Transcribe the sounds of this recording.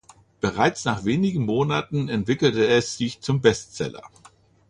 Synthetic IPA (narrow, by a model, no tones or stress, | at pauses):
b̥əʁaɪt͡snaːχv̥eːnɪɡŋ̩moːnatn̩ɛntv̥ɪkl̩təɛsz̥ɪçt͡sʊmbɛstt͡sɛ̰lɐ̰